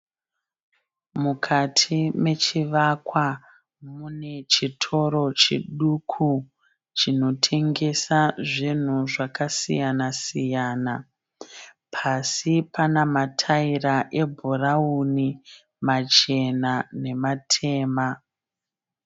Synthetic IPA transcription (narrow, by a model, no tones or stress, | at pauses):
mukʰatʰime̞t͡ʃiʋakwa | mune̞t͡ʃitʰo̞ɾo̞t͡ʃḭɗukʰu | t͡ʃino̞tʰe̞ŋɡe̞saʐin̤uʐakasḭjanasijaːna | pʰasipanamatʰairaʔe̞bʱorauni | mat͡ʃe̞nane̞matʰe̞ːma